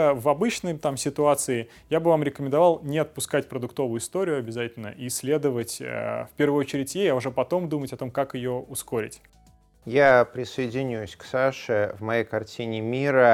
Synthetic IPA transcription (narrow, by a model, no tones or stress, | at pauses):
vɐbɨt͡ɕnəjt̪amsʲɪt̪ʊat̪sɨɪ | jabɨvamɾʲɪkəmʲɪ̃nd̪ɐvalˠnʲɪɐt̪̚pʊskatʲpɾəd̪ʊk̚t̪o̞vʊjʊɪst̪o̞ɾʲɪʊɐbʲɪzatʲɪlʲnə̰ʔisʲlʲe̞d̪əvətʲə̰fpʲe̞rvəɨjot͡ɕɪɾʲɪtʲjejaʊʐɛpɐt̪o̞md̪umətʲɐt̪o̞mkakɪjoʊskoɾʲɪ̰tʲ | japɾʲɪsəɪdʲɪnʲusʲksaʂɨvmɐjejkɐrtʲʰinʲɪmʲiɾə